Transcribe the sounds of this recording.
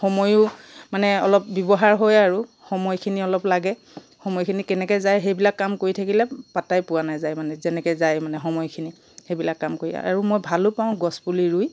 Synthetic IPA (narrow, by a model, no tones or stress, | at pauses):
xɔmɔjʊ | manɛɔlɔp̚bɔbɔɦaɹɦojaɹu | xɔmɔjkʰiniɔlɔplaɡɛ | xɔmɔjkʰinikɛnɛkɛjzajɦejbilakːamkoɹitʰakilɛpatajpʊwanajzajmanɛzɛnɛkɛzajmanɛxɔmɔjkʰini | hebilakːamkoɹia̰a̰ɹumojbʱalʊpaʊ̃ɡɔspuliɹuj